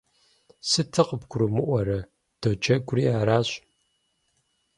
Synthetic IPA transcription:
sɨtʰɨqəbɡʷʰʊɾumɨʔʷɔɾɐ | d̥ot͡ʃɐɡʷʊɾiːaːɾaːɕʼ

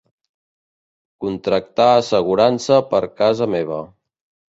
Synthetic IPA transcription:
kunt̪ɾək̚t̪aəsəɣ̞uɾansəpəɾkazəmeβ̞ə

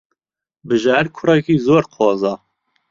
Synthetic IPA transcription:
bɨʒaːɾkʰʊrɛkiːzoːɾqʰɔːzɑː

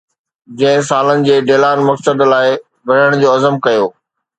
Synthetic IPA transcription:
d͡ʑɐ̃ɦɪ̃saːlənɪ̆d͡ʑeːɖeːlaːnmɐksəd̪laːɪ | bʱɐɽəɽ̃d͡ʑoːɐzəmkɐjoː

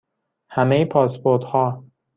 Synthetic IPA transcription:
hæmejepʰɒːspoɾt̪hɒː

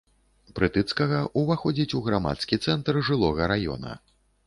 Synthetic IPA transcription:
pɾɨt̪ɨt̪skɐɣɐʔuvaxɔd͡zʲit͡sʲuɣɾama̰t̪skʲit̪sɛnt̪rʐɨlˠɔɣɐɾajɔ̰nɐ̰

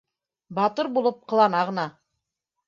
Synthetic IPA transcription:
bɑt̪ɤɾbulˠɤp̚qɤ̆lˠɑnɑʁɤ̆nɑ

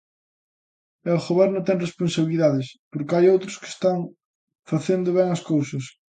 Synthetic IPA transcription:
ɛoɣoβɛɾnʊt̪ɛŋresponsaβiliðaðɪspoɾkɪajowt̪ɾʊske̥st̪aŋ | faθend̪ʊβɛŋɐskowsɐs

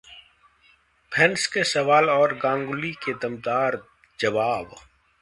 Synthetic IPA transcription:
pʰɛnskesɐʋaːlɔːɾɡãːŋɡʊliked̪ɐmt̪aːɾ | d͡ʒɐʋaːb

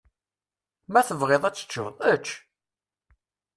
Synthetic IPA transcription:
mæθəvʁeðˤæt͡sːə̥t͡ʃːʊ̰ðˤæt͡ʃː

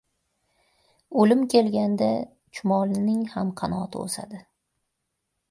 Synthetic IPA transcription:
olɪmkʲʰe̞lɡʲand̪a | t͡ʃʰʊmɒlnɪŋhamqʰɑnɒt̪ʰɪ̰o̰sa̰d̪ɪ

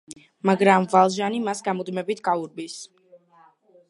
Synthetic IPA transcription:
maɡɾamvalˠʒanimasɡamɔd̪mɛbit̪ʰɡʼauɾbis

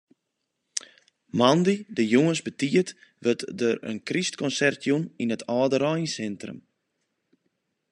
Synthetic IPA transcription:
mandidəjuŋənsbətiətʋətdərə̰nkristkɔnsɛrtʰjuninətʰɔːdəɾɔjnsɛntrə̰m

